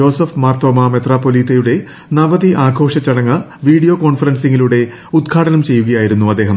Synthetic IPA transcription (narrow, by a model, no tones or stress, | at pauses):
o̞ːsɐfmaːrt̪oːmamet̪raːpːoliːt̪ɐjuɽe̞ | nɐʋɐðiʔaːɡʱo̞ːʂɐt͡ɕːɐɽɐŋːɐ | ʋiːɽijo̞ːko̞ːɳfɐrɐnsiŋːiluɽe̞ | ud̪ɡkʰaːɽɐnɐmt͡ɕe̞jːuɣɐjaːjiɾunːuɐd̪ːe̞ːɦɐm